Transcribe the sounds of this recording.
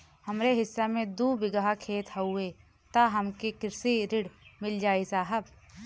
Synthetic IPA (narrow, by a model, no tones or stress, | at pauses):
hɐmɾeɦɪsːamẽd̪uːbɪɡaɦakʰeːt̪hɐueː | t̪aɦɐmkekɪɾsiɾɪɽmɪld͡ʒaːisaːɦəb